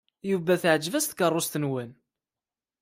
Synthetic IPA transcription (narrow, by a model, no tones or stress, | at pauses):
juvæθʕd͡ʒvæst̪kərˤːʊst̪ənwən